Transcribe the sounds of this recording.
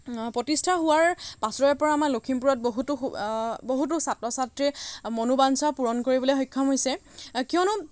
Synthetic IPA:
potistʰaɦʊwaɹpasɹɔjɛpɔɹaːmalokʰimpuɹɔt̚boɦutuboɦut̬ʊsatɹɔsatɹimonubansapuɹɔnkoɹibɔlojɦɔjkʰːɔmɦojsɛkiɔnʊ

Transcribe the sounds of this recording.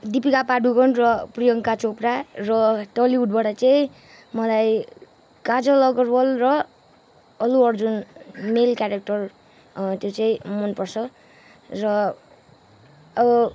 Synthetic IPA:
d̪ipikapaɖuɡʌɳrʌprijʌŋkat͡soprarʌʈʌliuɖ̚baʈʌt͡saĩ | mʌlaj | kad͡zʌlʌɡʌrbʌlrʌː | luʌrd͡zunmelkjaɾek̚ʈʌr | t̪jot͡saĩmʌnpʌrt͡sʰʌ | rʌ | ʌbʌ

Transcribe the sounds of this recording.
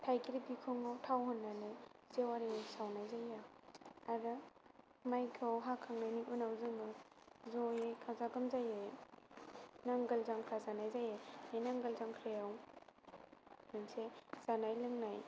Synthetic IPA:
tʰajkʰiɾibikʰoŋawtʰawɦɔnːanɯjzewaɾisawnajzajaaɾɯ | majkʰawɦakʰaŋnajniʔunawzɯnɯ | zojekʰazaɡɯmzaje | naŋɡəlzaŋkʰɾazanajzajeenaŋɡəlzaŋkʰɾajaw | mɯnsez̥anajlɯŋnaj

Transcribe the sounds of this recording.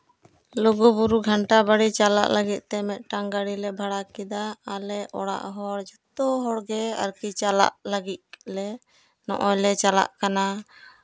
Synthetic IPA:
lɔɡubuɾuɡʱaɳʈabaɽit͡ʃala̰ʔləɡit̪̚ˀt̪ɛmɛt̪̚ˀʈaŋɡaɽilɛbʱaɽakid̪aːlɛʔɔɽa̰ʔɦɔɽd͡ʒɔt̪ɔɦɔɽɡɛa̰ɾkit͡ʃala̰ʔləɡit̪̚lɛ | nɔ̰ʔɔjlɛt͡ʃala̰ʔkana

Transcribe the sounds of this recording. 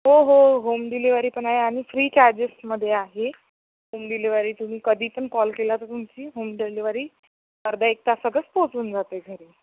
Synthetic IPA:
ɦoɦoɦomd̪iliʋaɾiːpəɳaɦeaɽ̃ifɾiːt͡ɕad͡ʑesməd̪ʱːjeaɦe | ɦomd̪ileʋaɾiːt̪um̤iːkəd̪ʱiːpəɳkɔlkelat̪əɾt̪umt͡ɕiːɦomd̪iliʋaɾiː | pəɾd̪aek̚t̪asəɡəspot͡suːnd͡zat̪eɡʱəɾiː

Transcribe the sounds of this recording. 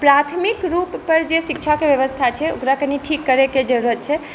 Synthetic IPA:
pɾat̪ʰmikɾupːəɾd͡ʒesik̚t͡ʃʰakebjəβəst̪ʰat͡ʃʰɛo̰kɾakəniʈʰikːəɾeked͡ʒəɾuɾət̪̚t͡ʃʰɛ

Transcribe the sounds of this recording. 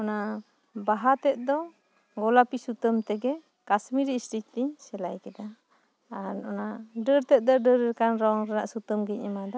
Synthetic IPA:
ɔna | baɦat̪ɛt̪̚d̪ɔ | ɡɔlapisut̪əmt̪ɛɡɛ | kasmiɾisɾic̚t̪iɲsɛlajkɛd̪aː | ɾɔnaɖəɾt̪ɛt̪̚d̪ɔɖəɾɾɛkanɾɔŋɾɛnaʔsut̪əmɡɛɲɛmad̪ɔ

